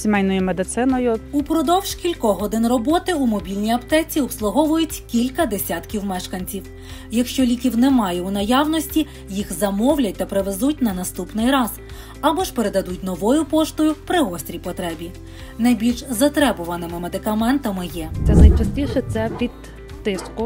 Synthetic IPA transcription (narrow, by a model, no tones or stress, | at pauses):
sʲimɛjnɔjʊmed̪ɪt̪sɪnɔjʊupɾɔd̪ɔwʒkʲilʲkɔɦɔd̪ɪnrɔbɔt̪ɪumɔbʲilʲnʲijɐpt̪ɛt͡sʲiɔpslˠʊɦɔʋʊjʊtʲkʲilʲkɐd̪esʲɑt̪kʲiwmɛʃkɐnʲt͡sʲiw | jɐkʃt͡ʃɔlʲikʲiwnɛmɑjɛunɐjɑwnɔsʲtʲi | jixzɐmɔwlʲɐt̚ʲt̪ɐpɾeʋezut̚ʲnɐnɐst̪upnɪjɾɑz | ɐbɔʃpeɾed̪ɐd̪utʲnɔʋɔjʊpɔʃt̪ʊjʊpɾɪɔsʲt̪ʲɾʲijpɔt̪ɾɛbʲi | nɐjbʲilʲʃzɐt̪ɾɛbʊʋɐnɪmɪmed̪ɪkɐmɛnt̪ɐmɪjɛt̪sɛznɐjt͡ʃɐsʲtʲiʃɛt̪sɛpʲit̪ː | ɪskʊ